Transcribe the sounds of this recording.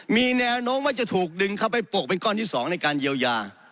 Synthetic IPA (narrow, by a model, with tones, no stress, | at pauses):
miː˧nɛː˧wnoː˦˥mːaː˥˩t͡ɕa˨˩t̪ʰuː˨˩k̚dɯ˧ŋkʰa˥˩wpa˧jpu˨˩ək̚pe˧nkɔː˥˩nt̪iː˥˩sɔː˩˦ŋna˧jkaː˧nji˧əwjaː˧